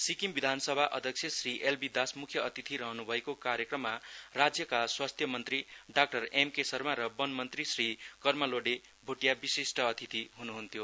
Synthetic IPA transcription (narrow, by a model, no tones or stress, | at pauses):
sikimbid̪ʱansʌbʱaʔʌ̰d̪ʱjʌksʰjʌsriʔelbid̪asmukʰjʌʌt̪it̪ʰiɾʌɦʌnubʱʌekokaɾjʌkrʌmːarad͡zjʌkaswast̪ʰjʌmʌnt̪riɖak̚ʈʌremkesʌrmaɾʌbʌnmʌnt̪risrikʌrmʌloɖe | bʱoʈjabisisʈʌːt̪ʰit̪ʰiɦunuɦunt̪ʰjo